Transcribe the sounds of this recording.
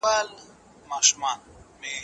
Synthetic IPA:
al | maʃmanme

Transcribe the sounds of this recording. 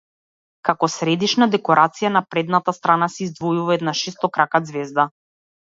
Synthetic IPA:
kakɔsɾɛd̪iʃnad̪ɛkɔɾʔat̪sijanapɾɛd̪nat̪ast̪ɾanasɛːzd̪vɔjuvaɛd̪naʃɛst̪ɔkɾakad̪zvɛzd̪a

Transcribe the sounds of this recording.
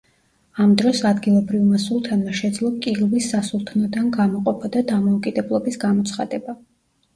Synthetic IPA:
amd̪ɾɔsad̪ɡilˠɔbɾivmasulˠt̪ʰanmaʃɛd̪zlˠɔkʼiʁvisːasulˠt̪ʰnɔd̪anɡamɔqʼɔpʰɔd̪ad̪amɔukʼid̪ɛblˠɔbisɡamɔt̪sʰχa̰d̪ɛba

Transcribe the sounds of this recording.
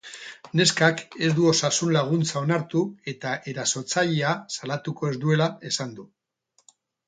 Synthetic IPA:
ne̞skake̞zd̪uo̞sasunlaɣ̞unt͡sao̞naɾt̪ue̞t̪aʔe̞ɾaso̞ɾt͡saʎeasalat̪uko̞e̞zd̪ue̞lae̞sand̪u

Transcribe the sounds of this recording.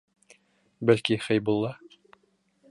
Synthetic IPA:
bælkiχɘjbulˠːɑ

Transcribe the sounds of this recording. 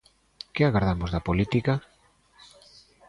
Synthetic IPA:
kɪaɣaɾð̞amozðɐpolit̪ika

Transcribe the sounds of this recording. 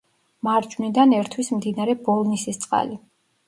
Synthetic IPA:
maɾd͡ʒwnid̪anɛɾt̪ʰwismd̪inaɾɛbɔlˠnisist̪sʼqʼa̰li

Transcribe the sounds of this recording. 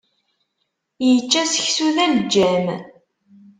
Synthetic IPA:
jət͡ʃːæsə̥çsuðæld͡ʒːæm

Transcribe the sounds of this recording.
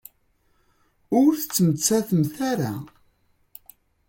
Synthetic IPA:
ʊɾθət͡sːəmət͡sːæθəmθæɾa

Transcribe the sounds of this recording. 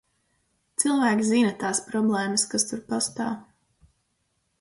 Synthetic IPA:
t̪silˠvæːkʲizinɐt̪aːspɾɔblˠɛːmɐskast̪uɾpast̪a̰ːw

